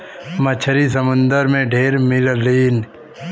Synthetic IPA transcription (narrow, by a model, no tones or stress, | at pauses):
mət͡ʃʰəɾis̬əmʊ̃nd̪əɾmẽɖʱeːɾmɪlliːn